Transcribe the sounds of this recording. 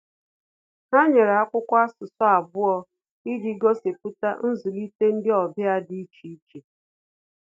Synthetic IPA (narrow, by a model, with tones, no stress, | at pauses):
ɦa˦ɲe˨ɾa˦kʷʊ˦kʷa˦sʊ˨sɔ˦a˨bʊ˦ɔ˦ | i˦di˨˦ɡo˦se˨p̚u˦ta̰˦n̩˦zʊ˨li˦te˦n̩˦dɪ˦ɔ˨bja˦di˦t͡ʃi˨i˦t͡ʃe˨